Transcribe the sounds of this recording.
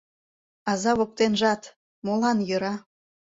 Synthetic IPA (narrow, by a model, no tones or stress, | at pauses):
ɑzɑβok̚t̪enʒɑt̪ | molɑnjø̆ɾɑ